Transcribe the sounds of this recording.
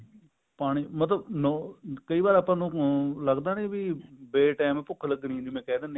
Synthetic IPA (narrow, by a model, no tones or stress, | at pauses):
paːɽ̃iːmət̪ləbnoːkəiːbaːɾəːpãːnũːləɡd̪aːnebibeːʈɛːmpʊkʰːləɡnĩːnd̪imɛ̃ːkɛːd̪ãːn